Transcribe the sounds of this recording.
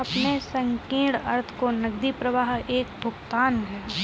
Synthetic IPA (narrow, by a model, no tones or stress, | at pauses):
ɐpnesɐ̃ŋkẽːɽɐ̰ɾt̪ʰkonɐɡd̪ipɾɐʋaːɦeːk̚bʱʊɡt̪aːnɦɛː